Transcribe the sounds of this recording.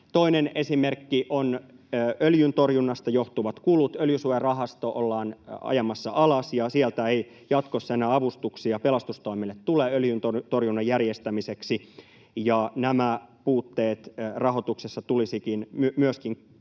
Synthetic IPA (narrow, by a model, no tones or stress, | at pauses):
t̪oinenesimerkːiʔonː | øljynt̪o̞rjunːɑst̪ɑjoht̪uʋɑt̪kulut̪øljysuerɑɦɑst̪oʔolːɑːnɑ̰jɑmɑsːɑʔɑlɑsjɑsielt̪æei | jɑt̪kosːɑenæːɑʋust̪uksiɑpe̞lɑst̪ust̪oimilːet̪tuleːøljynt̪ot̪o̞rjunːɑjjærjest̪æmiseksi | jɑnæmæpuːt̪ːe̞ːt̪rɑɦo̞t̪uksesːɑt̪ulisikinmymyøskiŋ